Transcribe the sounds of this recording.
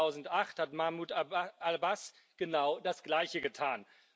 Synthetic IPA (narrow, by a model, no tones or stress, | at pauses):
aʊzn̩tʔaχthatmamutʔalbas | ɡ̥ənaʊdasɡ̥laɪçəɡətʰaːn